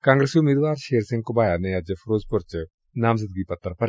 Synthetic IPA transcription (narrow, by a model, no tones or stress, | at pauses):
kãːŋɡɾesiʊmeːd̪ʋaːɾʃeːɾsɪ̃ŋɡkobaːjanejad͡ʒəfʰɾoːzpʊɾt͡ʃ | naːmzəd̪̚ɡipɐt̪ːəɾpɐɾ